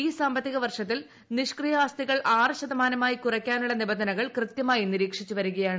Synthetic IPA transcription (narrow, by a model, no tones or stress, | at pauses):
iːsaːmbɐt̪ːiɣɐʋɐrʂɐt̪̬ːil | niʂkrijɐaːst̪iɣɐɭʔaːrɨɕɐðɐmaːnɐmaːjikurɐkʲːaːnuɭːɐnibɐnd̪ɐnɐɣɐɭkrɨt̪jɐmaːjiniɾiːkʂit͡ɕːuʋɐɾuɣɐjaːɳɨ